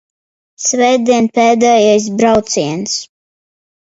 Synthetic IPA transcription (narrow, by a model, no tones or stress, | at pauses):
svɛjd̪iɛnpɛːd̪ɛjajs̬bɾawt̪siɛns